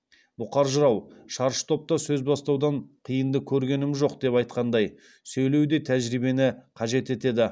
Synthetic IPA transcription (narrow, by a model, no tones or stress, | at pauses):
bʊqɑɾʒʊɾɑwʃɑɾʃə̥t̪ʰo̞p̚t̪ɑsɵzbɑst̪ɑwd̪ɑɴqʰijənd̪əkʲʰɵɾɡʲe̞nɪmʒo̞qd̪e̞pɑjt̪̚qɑnd̪ɑj | sɵjlewd̪e̞t̪ʰæʒɾibe̞nɪqʰɑʒe̞t̪e̞t̪e̞d̪ɪ